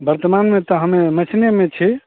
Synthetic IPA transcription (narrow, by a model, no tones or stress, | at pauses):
bəɾt̪əmanmet̪ɔɦəmemət͡ʃʰnemet͡ʃʰi